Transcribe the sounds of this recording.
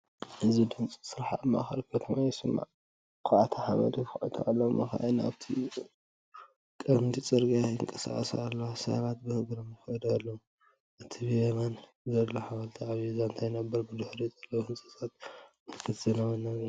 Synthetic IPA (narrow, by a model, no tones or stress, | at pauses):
ʔɨzid̪ɨnt͡sʼisɨɾaħamːaxɐ̰lkʰɐt̪ʰɐmajɛsɨmːa̰ʕ | kʰaʔat̪ʰaħaβɐ̰d̪ikaʔit̪ʰuʔalːowmɨ̰xa̰ʔena̰βt̪ʰḭ | kʼɐmt̪ʰit͡sʼɨɾɡajɨŋkʼɐsa̰ʔʼɐsalːosɐ̰βat̪̚bɨhɨɡɾɐmɨxɐd̪alːɐwu | ʔɨt̪ʰiβieman | zɐlːoħaβalt̪ʰiʕaβijzant̪ʰajnabːɐɾbɨd̪ɨhɾizɐlːɐwhɨnt͡sʼɨsʼat̪̚mɨkʰɨt̪zɐnɐwɨnːɐ